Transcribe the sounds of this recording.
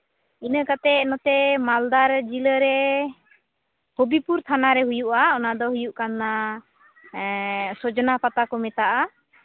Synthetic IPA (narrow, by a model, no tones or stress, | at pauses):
inəkat̪ɛnɔt̪ɛmald̪aɾd͡ʒiləɾɛ | hɔbipuɾt̪ʰanaɾɛɦujuʔaɔnad̪ɔɦujuʔkanːa | sɔd͡ʒɔnapat̪akɔmɛt̪aʔa